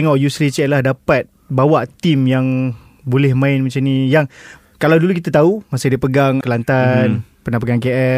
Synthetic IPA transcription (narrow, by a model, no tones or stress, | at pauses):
ŋɔʔjuslit͡ʃɛʔlahdapat̪̚ | bawaʔt̪imjaŋ | bolɛhmãɪnmət͡ʃanijaŋ | kalawdulukit̪at̪aumasadiapəɡaŋkəlant̪anpənapəɡaŋkeʔɛ